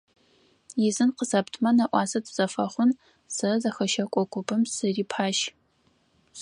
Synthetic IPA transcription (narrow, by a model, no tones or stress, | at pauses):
jɪzɨnqəzɐptʰmɐnɐʔʷɑːsɐtʰz̥ɐfɐχʷʊn | sɐzɐxɐʃɐkʷʼɔkʷʼʊbɨmsɨriːpʰaːʃ